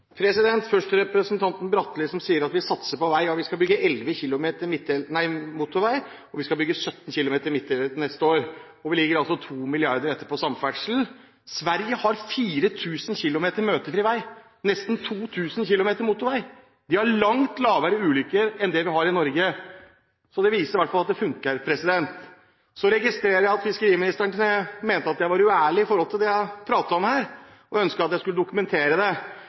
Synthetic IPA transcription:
pʰɾɛsɪd̪ɛnt̪fœʂʈəɾɛpɾəsənt̪ʰɑnt̪n̩bɾɑt̪ːlɪsɔmsiːəɾɑt̪ʋɪsɑt̪səpɔʋæɪjɑʋɪskɑbʏɡːəʔɛlʋəçɪlʊmeːt̪əɾmɪt̪ʰːɛlnæɪmʊt̪ːʊɾʋæɪ | ɔʋɪskɑbʏɡːəsœt̪ːnçɪlʊmeːt̪əɾmɪt̪ʰːɛlənɛst̪əoːɾ | ɔʋɪlɪɡəɾɑlsɔt̪ʰuːmɪlɪɑɾd̪əɾɛt̪ːəpʰɔsɑmfæʈʂln̩ | sʋæɾjəhɑɾfiːɾət̪ʰʉːsənçɪlʊmeːt̪əɾmøːt̪əɾfɾiːʋæɪ | nɛst̪nt̪ʰuːt̪ʰʉːsən̩çɪlʊmeːt̪əɾmʊt̪ːʊɾʋæɪ | d̪ɪhæɭɑŋt̪lɑːʋəɾəʉːlʏkːəɾɛnd̪ɛʋɪhɑɾɪnɔɾɡə | sɔd̪ɛʋiːsəɾʋæʈːfɑlɑt̪̚d̪ɛfʉŋkəɾpʰɾɛsɪd̪ɛnt̪ | sɔɾɛɡɪst̪ɾeːɾəɾjæɪɑt̪fɪskəɾiːmɪnɪst̪əɳnəmeːnt̪əɑt̪jæɪʋɑɾʉæːɭɪɪfɔɾhɔlt̪ɪld̪ɛjæɪpʰɾɑːt̪əɔmhæːɾ | ɔœnskəɾɑt̪jæɪskʉləd̪ʊkʉmɛnt̪ʰeːɾəd̪ɛ

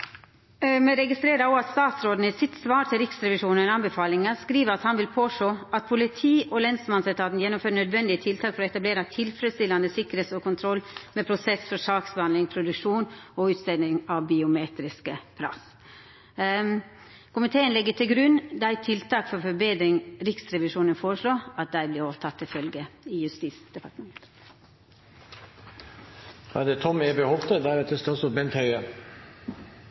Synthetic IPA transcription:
mɛɾɛɡɪst̪ɾeːɾɑɔɑt̪st̪ɑːt̪sɾoːd̪n̩ɪsɪt̪sʋɑːɾʈ̪ʰɪlɾɪksɾɛʋɪʂuːnəɛnɑnbɛfɑːlɪŋɑskɾiːʋəɾɑt̪hɑnʋɪlpʰoːsoːʔɑt̪̚pʰʊlɪt̪ʰiːʔɔlɛnsmɑnsɛt̪ʰɑːt̪njɛnːɔmføːɾnœd̪ʋɛnd̪ɪət̪ʰɪlt̪ʰɑːkfɔɾɔɛt̪ɑbleːɾɑt̪ʰɪlfɾɛt̪st̪ɪlːɑnd̪əsɪkːɾəheːsɔkʰʊnt̪ʰɾɔlːmɛpʰɾʊsɛsfɔɾʂɑːksbhɑnd̪lɪŋpʰɾʊd̪ʉkʂuːnɔʉːt̪st̪ɛnɪŋɑʋbɪʊmeːt̪ɾɪskəpʰɾɑ̰s | kʊmɪt̪ʰeːənlɛɡːət̪ʰɪlɡɾʉnd̪ɑæɪt̪ʰːɪlt̪ɑːkfɔɾfɔɾbeːd̪ɾɪŋɾɪksɾɛʋɪʂuːnənfoːɾəʂloːɑt̪̚d̪æɪblɪɾɔʋət̪ʰɑt̪ʰːɪlfœlɡəɪjʉst̪iːsd̪̥ɛpɑʈmɛnət̪ | hɑ̰d̪ɛt̪ʰɔmeːbɛhɔlt̪ʰəd̪æɾɛt̪ːəst̪osɔbɛnt̪hœʏə

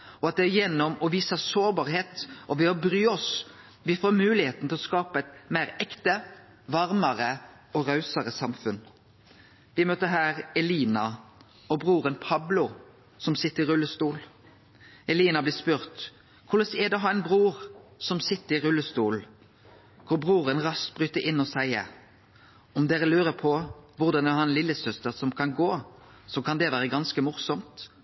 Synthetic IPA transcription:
ɔɑt̪̚d̪ɛæjɛnːɔmɔʋiːsəsoːʁbɑːɾheːt̪ʔɔʋɛɔbɾyːɔs | ʋɪfoːmʉːlɪheːt̪n̩t̪ɪlɔskɑːpɑɛt̪mæɪʁɛkt̪ə | ʋɑʁmɑʁə | ɔʁɑʉsəʁəsɑmfʉn | ʋɪmøːt̪əɦæːʁɛliːnɑ | ɔbʁuːʁənpʰɑblʊ | sɔmsɪt̪ːəɾɪɾʉlːəst̪uːl | ɛliːnɑbliːspʉʁt̪ | kʰʊləsɛd̪ɛɦɑʁæɪnbʁuːʁsɔmsɪt̪ːəɪʁʉlːəst̪uːl | kʰʊɾbʁuːʁənʁɑst̪̚bʁyːt̪əɾʔɪnːɔsæɪəɾ | ɔmd̪eːʁəlʉːɾəpʰɔʋʊʁd̪ɑnɛhɑnlɪlːəsœst̪əʁsɔmkʰɑnɡoː | sɔkʰɑnd̪ɛʋæːʁəɡɑnskəmʊɾsɔmt̪

